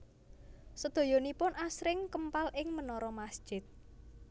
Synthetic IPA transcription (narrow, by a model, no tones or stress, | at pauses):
səd̪̥o̤jɔnipʊnasɾɪŋkəmpalʔɪŋmənɔɾɔmasd̥ʒ̥ɪ̤t̪̚